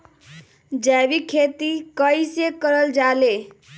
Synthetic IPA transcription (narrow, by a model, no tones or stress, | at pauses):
d͡zabikʰet̪ikʌjsekʌɾəld͡zale